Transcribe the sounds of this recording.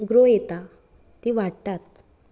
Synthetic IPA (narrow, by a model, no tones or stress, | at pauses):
ɡɾojet̪a | t̪iʋaɽt̪at̪̚